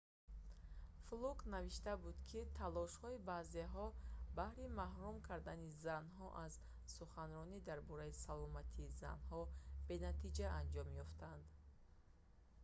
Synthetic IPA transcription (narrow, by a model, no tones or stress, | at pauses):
fluknaviʃt̪abud̪kʰit̪ʰalɔʃhɔibazeɦɔbahɾimahɾumkʰaɾd̪anizanɦɔʔaz | suχanɾɔnid̪aɾbɔɾaisalɔmat̪ʰiːza̰nɦɔbe̞nat̪ʰid͡ʒaand͡ʒɔmjɔft̪ʰand̪